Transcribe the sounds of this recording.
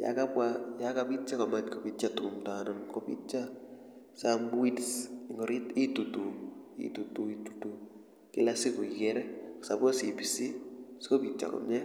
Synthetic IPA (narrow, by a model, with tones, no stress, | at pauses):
ja̰ka˦pwa˦ja˦kapi˦t͡ʃa˦kɔ˨ma˨tko˨pi˦t͡ʃatʊ˨kʊ˨mtaː˨nɔnko˦pḭ˦t͡ʃa˦ | sambu˦i˦tsŋɡo˨ɾi˦ti˦tu˨tu˨ḭ˦tu˨tu˨i˦tu̥˨tu˨ | kɪ˦la˦si˦ku˨i˨kɛɾɛ˦ksa˨bo˦si˨pi˨si˦sko˦pi˨t͡ʃa̰˨kɔ̰˨mɲɛ˦